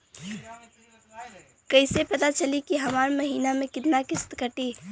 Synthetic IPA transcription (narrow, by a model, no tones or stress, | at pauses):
kəɪsepət̪at͡ʃəlikiɦəmaːɾməɦiːnamẽkɪt̪nakɪst̪kəʈi